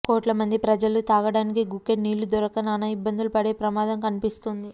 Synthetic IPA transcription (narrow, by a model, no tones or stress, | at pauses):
koːʈlɐmɐnd̪ipɾɐd͡ʒɐlut̪aːɡɐɽaːnikiɡukːeniːlud̪ɔɾɐkɐnaːnɐibːɐnd̪ulupɐɽeːpɾɐmaːd̪ɐmkɐnipist̪und̪i